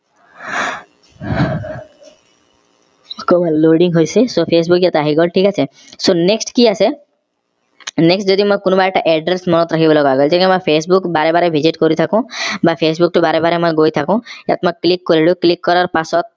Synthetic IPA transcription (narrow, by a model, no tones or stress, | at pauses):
komaloɖiŋɡɦojsesopʰes̬bukjat̪aaɦiɡɔlʈʰikat͡ʃʰe | soneksʈkiase | neksʈd͡ʒɔd̪imɔ̃jkonɔbaeʈaʔɛɖɾesmɔnɔt̪ɾakʰibɔlɔɡaɡɔld͡ʒekemɔ̃jpʰesbukbaɾebaɾebʱid͡ʑiʈkɔɾit̪ʰakũbapʰesbuk̚ʈɔbaɾebaɾemɔ̃jɡojt̪ʰakũja̰t̪mɔ̃klikːɔɾiɭuklikːɔɾaɾpasɔt̪̚